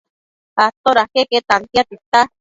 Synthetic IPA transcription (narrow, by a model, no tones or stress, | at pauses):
at̪oɾakeket̪ant̪jat̪it̪a